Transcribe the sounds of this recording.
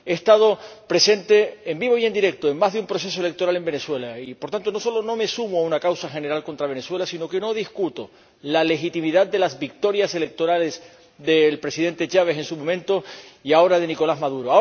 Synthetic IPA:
eːst̪að̞o̞pɾe̞se̞nt̪e̞ːmbiβ̞o̞ie̞nd̪iɾe̞k̚t̪oemːazðeumpɾo̞s̬e̞s̬oe̞le̞k̚t̪o̞ɾale̞mbe̞ne̞swe̞laipo̞ɾt̪ant̪o̞no̞so̞lo̞no̞me̞sumoaunakawsaxe̞ne̞ɾalko̞nt̪ɾaβe̞ne̞swe̞lasino̞ke̞no̞ð̞iskut̪o̞ | lale̞xit̪imiðad̪d̪e̞lazβik̚t̪o̞ɾjase̞le̞k̚t̪o̞ɾale̞s | ðe̞lpɾe̞siðe̞nt̪e̞t͡ʃaβ̞e̞se̞nsumomẽnt̪o̞iao̞ɾað̞e̞niko̞lazmaðuɾoa

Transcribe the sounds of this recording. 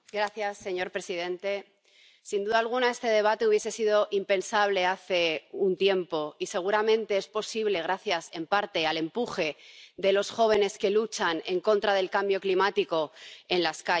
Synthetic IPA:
ɡɾaθjasːe̞ɲo̞ɾpɾe̞sið̞ẽ̞nt̪e̞ | sind̪uðalɣ̞unae̞st̪e̞ðe̞β̞at̪e̞uβje̞se̞sið̞o̞ʔimpe̞nsaβ̞le̞aθe̞unt̪je̞mpo̞ise̞ɣ̞uɾamẽ̞nt̪e̞espo̞siβle̞ɣ̞ɾaθjase̞mpaɾt̪e̞ale̞mpuxe̞ðe̞lo̞sxo̞β̞e̞ne̞ske̞lut͡ʃane̞ŋko̞nt̪ɾað̞e̞lkambjo̞klimat̪iko̞e̞nlaska

